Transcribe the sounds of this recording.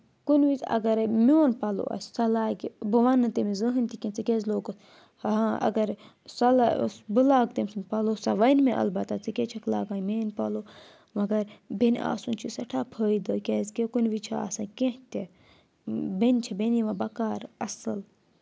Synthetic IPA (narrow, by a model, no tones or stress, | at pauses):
kunʋit͡sɐ̰ɡɐɾmoːnpɐlo̰ɐ̰ssɐlaːɡbɨʋɐnːɨt̪emizəɦɨnʲt̪ʰikʲẽnt͡sikʲezloːɡɐs | aɐ̰ɡɐɾ | sɐlasbɨlaːɡt̪emsɨnpɐlosɐʋɐnmeʔɐ̰lbɐt̪ɐt͡sikʲet͡ʃʰɐkla̰ːɡaːnmeːnpɐlo | mɐɡɐɾbena̰ːsunt͡ʃʰisɐʈʰaːpʰəːid̪əkʲeːzkekunʋit͡ʃʰia̰ːsɐkẽht̪ʲe | benʲt͡ʃʰibeniʋɐbɐkaːɾɐsɨl